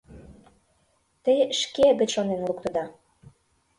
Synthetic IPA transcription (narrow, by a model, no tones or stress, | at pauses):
t̪əjʃkebɘ̆t͡ɕʃonenlukt̪ɤ̆d̪ɑ